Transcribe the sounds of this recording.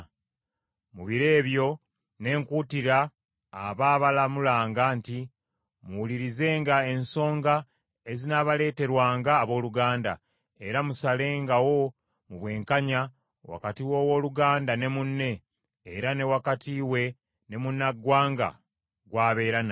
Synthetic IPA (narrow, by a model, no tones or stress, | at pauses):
muβiɾe̞ːβjo̞ | ne̞ːŋkuːtiɾaː | βaːβalamulaːŋɡanti | muwuliɾize̞ːŋɡae̞nso̞ːŋɡa | ezinaβale̞ːte̞ɾwaːŋɡaːβo̞ːluɡaːnda̰ | e̞ɾamusale̞ːŋɡawo̞ | muβwe̞ːŋkaɲa | wa̰katiwo̞ːwo̞ːluɡaːndane̞munːe̞ː | ɾane̞wakatiwe̞ | ne̞munːaɡwaːŋɡa̰ | ɡwaːβe̞ːɾana